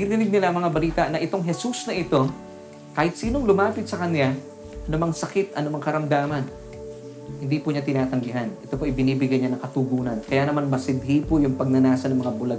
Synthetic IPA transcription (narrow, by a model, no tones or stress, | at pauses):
ɡɪnɪnɪɡ̚nɪlaʔɐŋmɐŋabɐliːt̪ɐʔnɐʔɪt̪oŋɦɛsusnɐʔɪt̪o̞ | kaːhɪt̪siːno̞ŋlʊmaːpɪt̪sɐkɐnja | ʔɐnomɐŋsɐkɪt̪ʔɐnomɐŋkɐɾɐmd̪aːmɐn | hɪnd̪iːpʊɲat̪ɪnaːt̪ɐŋɡɪɦanʔɛt̪o̞poʔɪjbɪniːbɪɡajɲanɐŋkɐt̪uɡuːnɐnkɐjaːnɐmanmɐsɪd̪hipojʊŋpɐɡ̚nɐnaːsɐnɐŋmɐŋabʊlɐɡ